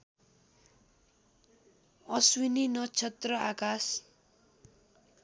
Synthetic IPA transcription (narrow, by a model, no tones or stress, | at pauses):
ʌswininʌt͡sʰʌt̪rʌakas